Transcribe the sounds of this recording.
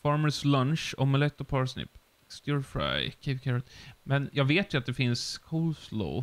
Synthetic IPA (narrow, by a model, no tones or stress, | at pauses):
fɑːɾməɾslanʃɔmɛlɛk̚t̪ɾɔpʰɑɾsnɪ̰pː | st̪jʊɹfɹa̰jkʰevkʰɛɾɔt̪mɛnjɑːɡveːt̪jɵat̪̚d̪ɛfɪnskʰɔʊlslo̰ʊ